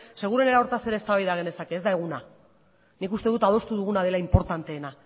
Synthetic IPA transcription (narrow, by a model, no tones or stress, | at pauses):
se̞ɣ̞uɾe̞ne̞ɾaoɾt̪ase̞ɾest̪aβajðaɣ̞e̞ne̞sake̞ːzd̪ae̞ɣuna | nikust̪e̞ðut̪að̞o̞st̪uðuɣ̞unað̞e̞laimpo̞ɾt̪ant̪e̞ːna